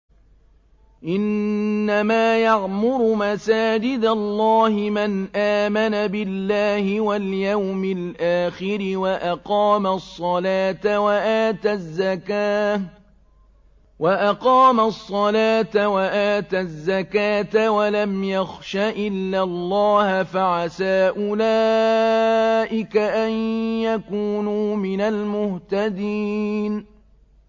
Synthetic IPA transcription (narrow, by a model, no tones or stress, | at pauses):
ʔɪnːamaːjaʕmʊɾʊmasaːd͡ʒɪd̪alˤːɑːhɪmanʔaːmanabɪlːaːhɪwaljawmɪlʔaːxɪɾɪwaʔɑqɑːmasˤːɑlaːt̪awaʔaːt̪azːa | waʔɑqɑːmasˤːɑlaːt̪awaʔaːt̪azːakaːt̪awalamjaxʃaʔɪlːalˤːɑːhafaʕasaːʔʊlaː | ʔɪkaʔanjakuːnuːmɪnalmʊht̪ad̪iːn